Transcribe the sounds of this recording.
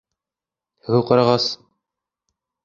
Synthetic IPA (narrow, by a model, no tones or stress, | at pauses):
hɘ̆wɘwqɑɾɑʁɑs